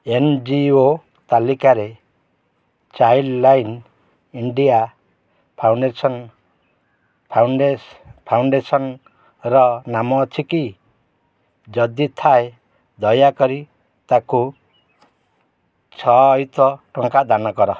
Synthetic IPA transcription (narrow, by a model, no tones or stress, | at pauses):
end͡ʒio | t̪alikaɾe | t͡ʃajɖlajn | iɳɖia | pʰawɳɖesɔn | pʰawepʰawɳɖesɔn | ɾɔnamɔːt͡ʃʰiki | d͡ʒɔd̪it̪ʰae | d̪ɔjakɔɾi | t̪aku | t͡ʃʰɔjt̪ɔʈɔŋkad̪anɔkɔɾɔ